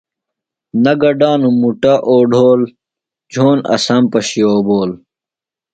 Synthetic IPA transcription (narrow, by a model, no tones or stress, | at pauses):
nɐɡɐɖaːnũmuʈaʔoːɖʱoːl | d͡ʑʱoːnɐ̰sɐmpɐɕioːboːl